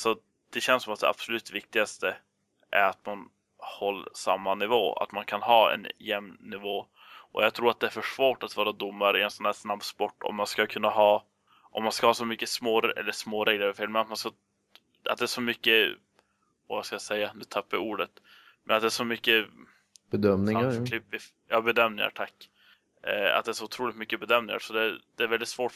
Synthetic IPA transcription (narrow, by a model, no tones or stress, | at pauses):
sɔ | d̪̥ɛɕɛnsɔmat̪̚d̪ɛa̰b̥sɔlʉ̟ːt̪vɪk̚t̪ɪɡast̪ə | ʔæ̰ɾat̪man | hɔlːsamːanɪvo̰ːa̰t̪mankʰanhɑːɛ̰njɛmnɪvoː | ʔɔ̰jɑːɡ̚t̪ʰɾuːɾat̪̚d̪ɛæfœʂvoːʈat̪vɑːɾad̪ʊmːaɾəɪɛnsɛnd̪æːsnabspɔʈːɔ̰mːanskakʰɵnːaɦɑː | ʔɔmːanskahɑːsɔmʏkːəsmoːɾɛ̰lːəʂmoːɾeːɡləɾɪfeːlmɛnat̪̚manska | a̰t̪̚d̪ɛæːʂɔmʏkːə | ɔvaskajasɛjːanʉ̟ːt̪ʰapːauːɖət̪ | mʔɛnat̪d̪ɛæːʂɔmʏkːə | b̥ɛd̪œmnɪŋaklɪpːvɪ | jɑːbɛd̪œmnɪ̰ŋa̰ɾʈʰakː | a̰t̪̚d̪ɛæːʂɔʊt̪ʰɾuːlɪt̪mʏkːəbɛd̪œmnɪŋa̰ɾsɔd̪ɛd̪ɛːɾvɛld̪ɪt̪svoː